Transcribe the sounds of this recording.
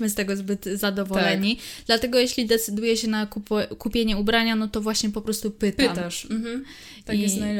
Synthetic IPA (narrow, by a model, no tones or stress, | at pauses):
mɘst̪ɛɡɔzbɘt̪zad̪ɔvɔlɛɲid̪lat̪ɛɡɔjeɕlʲid̪ɛt̪sɘd̪ujɛɕɛnakupkupʲjeɲɛubɾaɲanɔt̪ɔvwaɕɲɛpɔpɾɔst̪upɘt̪ama | aijɛsn